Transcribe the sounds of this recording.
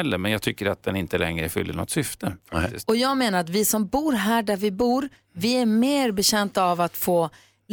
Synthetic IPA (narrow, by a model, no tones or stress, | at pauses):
ɛlːəɾmɛnjɑːɡ̚t̪ʰʏkːəɾat̪̚d̪ɛnɪnt̪əlɛ̰ŋɾəfʏ̰lːəɳɔ̰t̪ːsʏft̪ʰəfak̪ɪ̰st̪ɔjɑːɡmeːnaɾat̪vɪsɔmbuːɾɦæːɖæɾvɪbuːɾ | vɪæɾmeːɾbɛɕɛnt̪aːvat̪foː